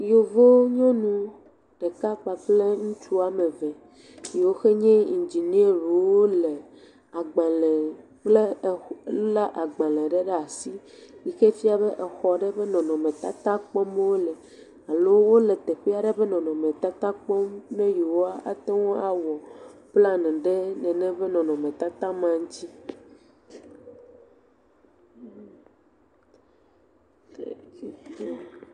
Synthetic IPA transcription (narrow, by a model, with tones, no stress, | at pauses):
jo˨vo˦ɲɔ̃˦nũ˦ | ɖ̥e˨ka˦k͡pa˨ɸle˦ŋũ˦t͡ʃu˦a˨mẽ˨vɛ˨ | ji˨wo˦xe˦ɲɛ̃˦i˨nd͡ʒi˨ni˦e˦ɾu˨˦wo˦le˨ | a˨ɡ͡ba˨lɛ˨ | k͡ple˦˨˦lu˦la˦ʔa˨ɡ͡bã˨lɛ̃˨ɖe˦ɖe˦a˨si˦ | ji˨xe˦fi˦a˨be˦ʔɛ˨xɔ˨ɖe˦be˦nɔ̃˨nɔ̃˨mẽ˨t̪a˦t̪a˦k͡pɔ˦m˦wo˦lɛ˨ | a˨lo˦wo˦le˨t̪e˨ɸi˦a˦ɖe˦be˦nɔ̃˨nɔ̃˨mẽ˨t̪a˦t̪a˦k͡pɔ˦mnẽ˦ji˨wo˦a˦ʔa˨t̪e˦wõ˦a˨wɔ˨bla˦nɛ̃˨ɖe˦nɛ̃˨nɛ̃˦be˦nɔ̃˨nɔ̃˨mẽ˨t̪a˦t̪ã˦mã˨ŋ˦t͡ɕi˦